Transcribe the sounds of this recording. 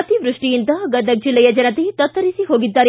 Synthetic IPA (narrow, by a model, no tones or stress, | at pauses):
t̪iʋɾʊʂʈijint̪ɐɡɐd̪ʱɐk̚d͡ʒilːɐjɐd͡ʒɐnɐt̪et̪ɐt̪ːɐɾisiɦoːɡid̪ːaɾ